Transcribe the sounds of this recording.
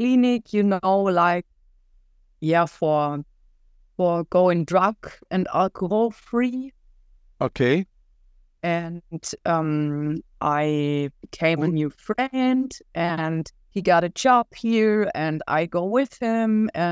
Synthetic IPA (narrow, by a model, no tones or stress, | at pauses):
kl̥inɪkʰjɨnoʊlaɪk̚ | jæfə˞ | fə˞ɡ̥oʊɪ̃ŋdɹʌkɨ̃nælˠkʰəɔlˠfɹi | ʔokʰeɪ | ɨ̃nʔʌ̃mʔaɪb̥ɨkʰẽɪ̃mɨnjʉfɹɛ̃ndʔɨ̃n | hiɡɑɾɨd͡ʒɑb̥hiɹɨ̃na̰ɪɡoʊwɪð̥hɪ̃mɨ̃